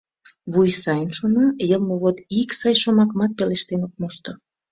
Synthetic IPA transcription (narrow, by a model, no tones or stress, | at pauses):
βujsɑjənʃonɑjəlˠmoβot̪iksɑjʃomɑkmɑt̪̚peleʃt̪enok̚moʃt̪o